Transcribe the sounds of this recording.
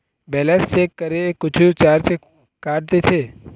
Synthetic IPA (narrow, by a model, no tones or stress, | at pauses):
bɛlɛst͡ʃeːkːəɾekʊt͡ʃʰut͡ʃaːɾt͡ʃe | kaːʈ̚t̪et̪ʰeː